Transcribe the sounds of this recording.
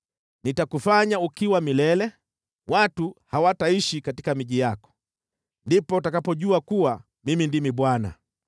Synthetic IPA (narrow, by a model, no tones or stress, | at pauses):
nitakufaɲaukiwamilɛlɛ | watuhawataiʃikatikamiʄijakɔ̥ | ndipɔtakapɔʄuakuwa | mimindimiɓwana̰